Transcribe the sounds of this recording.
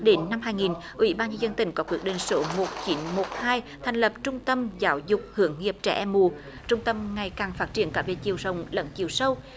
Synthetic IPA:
ɗe˨˦nːa˧mhaː˧jŋi˨˩n | ʔwḭ˧˩˦ɓaː˧nɲə˧nzə˧nt̪ï˧˩ŋ̟kɔ˨˦kwi˨˥ək̚ɗi˧˨˩ŋ̟so˨˦mo˨˩t̚t͡ɕi˨˦ənmo˨˩t̚haː˧jt̪ʰɛ˨˩ŋ̟lə˨˩p̚t͡ɕʊ˧ŋ͡mt̪ə˧mzaː˨˦wzʊ˨˩k͡p̚hɨ˧˩˦əŋːi˨˩əp̚t͡ɕɛ̰˧˩˥ʔɛ˧mːu˧˨˩ | t͡ɕʊ˧ŋ͡mt̪ə˧mŋa˨˩jkaː˨˩ŋfaː˦˥t̚t͡ɕi˧˩ənkaː˧˩vḛ˧˨˩t͡ɕi˨˩əwzə˧˩wŋ͡mlə̰˧˦nt͡ɕi˨˩əwsə˧w

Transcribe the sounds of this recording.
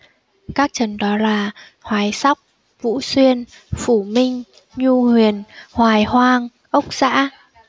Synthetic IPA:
kaː˦˥k̚t͡ɕə˨˩nɗɔ˨˦laː˨˩ | hwaː˨˦jsa˦˥wk͡p̚ | vṵ˧˨swi˧ən | fu˧˩mï˧ŋ̟ | ɲu˧hwi˨˩ənhwaː˨˩jhwaː˧ŋ | ʔə˦˥wk͡p̚z̥a̰ː˧˥

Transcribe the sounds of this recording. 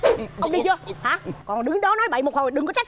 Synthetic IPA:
ə˧wŋ͡mɗi˧t͡ɕɨ˧əhaː˨˦kɔ˨˩nɗɨ˨˦ŋɗɔ˨˦nɔ˨˦jɓə̰˧˩jmo˨˩t̚ho˨˩jɗɨ˨˩ŋkɔ˨˦t͡ɕa˦˥k̚

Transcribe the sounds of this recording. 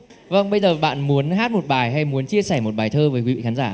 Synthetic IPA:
və˧˩ŋɓə˧jzəː˨˩ɓa̰ː˧˨nmu˨˦ənhaː˦˥t̚mo˨˩t̚ɓaː˨˩jɦa˧jmu˨˦ənt͡ɕi˧əsɛː˧˩mo˨˩t̚ɓaː˨˩jt̪ʰəː˧vəː˨˦jkwi˨˦ḭ˧˨xaː˨˦nzaː˧˩

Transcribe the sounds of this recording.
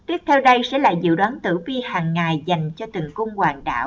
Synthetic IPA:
t̪wi˦˥əp̚t̪ʰɛ˧wɗə˧jsɛ̰˧˥la̰ː˨˩zɨ̰˧˨ɗwaː˨˦nt̪ɨ̰˧˩vi˧haː˨˩ŋːa˨˩jza˨˩jŋ̟t͡ɕɔ˧t̪ɨ˨˩ŋkʊ˧ŋ͡mkwaː˨˩ŋɗa̰ː˧˩˨w

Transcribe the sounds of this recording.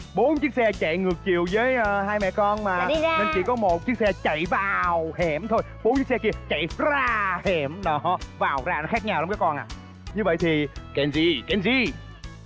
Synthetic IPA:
ɓo˨˦nt͡ɕɨ˦˥ək̚sɛ˧t͡ɕa̰˧˨ŋɨ˨˩ək̚t͡ɕi˨əwzəː˨˦jʔəː˧˩haː˧jmɛ̰˧˨kɔ˧nmaː˨˩˧ne˧nt͡ɕḭ˧˩kɔ˨˦mo˨˩t̚t͡ɕɨ˦˥ək̚sɛ˧t͡ɕa̰˧˨jvaː˨˩whɛ˨˩mt̪ʰo˧jɓo˨˦nt͡ɕɨ˦˥k̚sɛ˧ki˧ət͡ɕa̰˧˨jzaː˧hɛ˨˩mɗɔ˨˦vaː˨˩wzaː˧˩nɔ˨˦xaː˦˥k̚ɲaː˧wɗŋ͡mka˨˦kɔ˧nʔa̰ː˨ | ɲɨ˧və̰˧˨jt̪ʰi˨˩kɛ˨˧nzi˧kɛ˨˧nzi˧

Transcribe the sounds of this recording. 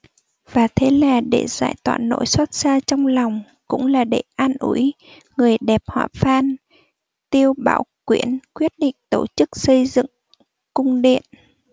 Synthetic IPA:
vaː˨˩t̪ʰe˨˦laː˨˩ɗe˧˩z̥a̰ː˧˥jt̪wa̰ː˧˨nːo̰˧˥jswə˦˥t̚saː˧t͡ɕɔ˧wŋ͡mlɔ˨˩wŋ͡m | kʊ̰˧˥ŋ͡mlaː˨˩ɗe˧˩ʔaː˧nʔṵ˧˩˦j | ŋɨ˨˩əjɗɛ˨˩p̚hwa̰ː˧˨faː˧n | t̪i˧əwɓa̰ː˧˩wkwi˧˥ənkwi˦˥ət̚ɗḭ̈˧˨ŋ̟t̪o˧˩t͡ɕɨ˦˥k̚sə˧jzɨ̰˧˨ŋ | kʊ˧ŋ͡mɗḭ˧˨ən

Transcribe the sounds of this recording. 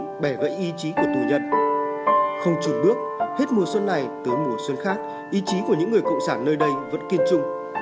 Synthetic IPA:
ɓɛ˧˩ɣə̰˧˨jʔi˧t͡ɕi˨˦ku˧˩ət̪u˨˩zə˧n | xə˧wŋ͡mt͡ɕu˨˩t̚ɓɨ˦˥ək̚he˦˥t̚mu˨˩əswə˧nːa˨˩jt̪ɨː˨˦jmu˨˩əswə˧nxaː˦˥k̚ | ʔi˧t͡ɕi˨˦ku˧˩əɲɨ̰˧˥ŋːɨ˨˩əjkə̰˧˨wŋ͡msaː˧˩nːəː˧jɗə˧jvə̰˧˥nki˧ənt͡ɕʊ˧ŋ͡m

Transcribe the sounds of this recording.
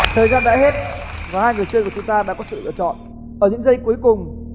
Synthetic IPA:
t̪ʰəː˨˩jzaː˧nɗa̰ː˧˥he˦˥t̚vaː˨˩haː˧jŋɨ˨˩əjt͡ɕɨ˧kt͡ɕʊ˨˦ŋ͡mt̪aː˧ɗa̰ː˧˥kɔ˨˦sɨ̰˧˨lɨ̰˧˨ət͡ɕɔ̰˧˨n | ʔəː˧˩ɲɨ̰˧˥ŋzə˧jku˨˦əjkʊ˨˩ŋ͡m

